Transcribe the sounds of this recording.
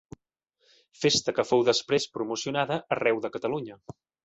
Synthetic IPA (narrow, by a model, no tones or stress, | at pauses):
fest̪əkəfowðəspɾespɾumusiunaðəʔːrɛwðəkət̪əluɲə